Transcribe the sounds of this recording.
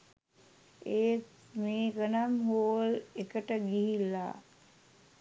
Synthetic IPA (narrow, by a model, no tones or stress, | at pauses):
eːt | meːɡənamɦoəlekəʈəɡiɦilːa̰ː